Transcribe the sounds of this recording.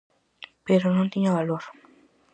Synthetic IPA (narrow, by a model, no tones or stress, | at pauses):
peɾonõnt̪iɲaβaloɾ